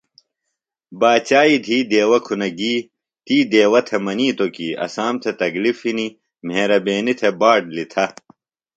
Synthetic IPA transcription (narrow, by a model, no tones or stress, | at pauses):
baːt͡ɕaːid̪ʱiːd̪eːwɐkʰunɐɡiː | t̪iːd̪eːwɐt̪ʰemɐniːt̪okiːɐ̰saːmt̪ʰet̪ɐɡlifini | m̤eːɾɐbeːnit̪ʰebaːɖlit̪ʰɐ